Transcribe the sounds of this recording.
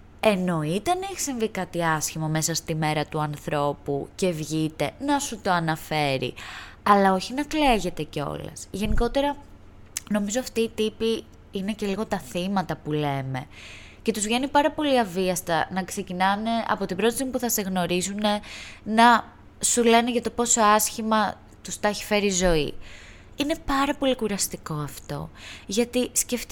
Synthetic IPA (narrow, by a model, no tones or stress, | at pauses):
e̞no̞it̪ɐneçi̥siɱvikɐt̪iɐsçimome̞sɐst̪ime̞ɾɐt̪uɐnθɾo̞pṵce̞vʝit̪e̞nɐsut̪o̞ɐnɐfe̞ɾḭɐlɐo̞çinɐkleʝe̞t̪e̞ce̞o̞̰lɐ̰sʝe̞niko̞t̪e̞ɾɐ | no̞mizoɐft̪iːt̪ipi | ine̞ce̞liɣo̞t̪ɐθimɐt̪ɐpule̞me̞̰ | ce̞t̪uzvʝe̞nipɐɾɐpo̞liɐviɐst̪ɐ̰nɐkse̞cinɐne̞ʔɐ̰po̞t̪ibɾo̞t̪imipuθɐse̞ɣno̞ɾizune̞nɐ | sule̞neʝɐt̪o̞po̞so̞ɐsçimɐ | t̪ust̪ɐçi̥fe̞ɾizo̞i | ine̞pɐɾɐpo̞likuɾɐst̪iko̞ɐft̪o̞̰ʝɐt̪isce̞ft̪